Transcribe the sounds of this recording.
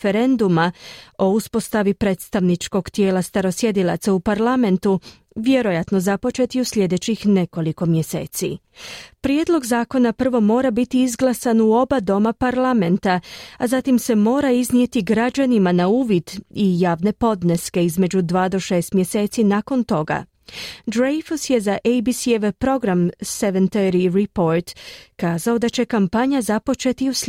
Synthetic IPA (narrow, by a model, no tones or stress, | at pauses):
feɾe̞nd̪umao̞uspo̞st̪aʋipɾe̞ːt̪st̪aʋnit͡ʃko̞ɡt̪je̞ːlast̪aɾo̞sje̞d̪ilˠa̰t̪saupaɾlˠame̞nt̪u | ʋje̞ɾo̞jat̪no̞zapo̞t͡ʃe̞t̪iuslʲje̞d̪e̞t͡ɕixne̞ko̞liko̞mje̞se̞̰ːt̪sḭ | pɾje̞d̪lˠo̞ɡzaːko̞napr̩ʋo̞mo̞ːɾabit̪iizɡlˠasanuo̞bad̪o̞mapaɾlˠame̞nt̪aazat̪imse̞mo̞ːɾaiznije̞t̪iɡɾad͡ʒanimanauːʋid̪ijaːʋne̞po̞d̪neske̞izme̞d͡ʑud̪ʋaːd̪o̞ʃe̞ːst̪mje̞se̞ːt̪sinako̞nt̪o̞ɡa̰ | d̪ɾejfusje̞zaʔejbisieʋepɾo̞ɡɾamseʋent̪eɾiɾipo̞ɾt̪kaːzao̞d̪at͡ɕe̞kampaɲazapo̞t͡ʃe̞t̪ius